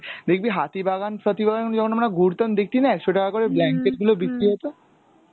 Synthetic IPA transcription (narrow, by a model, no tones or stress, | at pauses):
d̪ekʰbiɦat̪ibʱaɡanpɾɔt̪ibaɡaknd͡ʒɔkʰonamnaɡʱuɾt̪ənd̪ekʰt̪inaɛkʃʰoʈakakɔɾeblɛŋkeʈ̚ɡulobisiɦot̪o